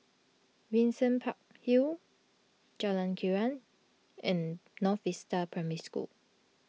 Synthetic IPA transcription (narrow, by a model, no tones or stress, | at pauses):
wĩnsə̃npʰak̚hi | d͡ʒalãnkʰiɹãn | ɛ̃nːɔθistəpʰɹɛmɹiskṵl